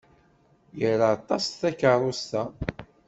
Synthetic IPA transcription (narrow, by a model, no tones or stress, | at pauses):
jəɾaɑt̪ˤːɑsθækərˤost̪æ